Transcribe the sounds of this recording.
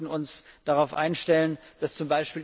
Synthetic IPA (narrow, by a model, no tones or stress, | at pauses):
n̩ʊnsd̥aʁaʊfʔa̰ɪnʃtɛlənd̥ast͡sʊmbaɪʃpiːl